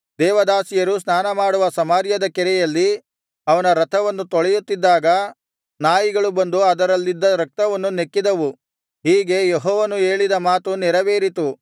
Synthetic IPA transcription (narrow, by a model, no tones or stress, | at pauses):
d̪ɛːʋɐd̪aːsijɐɾusnaːnɐmaːɽuʋɐsɐmaːɾjɐd̪ɐkɛɾɛjɐlːi | ɐʋɐnɐɾɐt̪ʰɐʋɐnːut̪ɔɭɛjut̪ːid̪ːaːɡɐ | naːjiɡɐɭubɐnd̪uɐd̪ɐɾɐlːid̪ːɐɾɐk̚t̪ɐʋɐnːunekːid̪ɐʋu | ɦiːɡe̞jeɦɔːʋɐnue̞ːɭid̪ɐmaːt̪unɛɾɐʋeːɾit̪u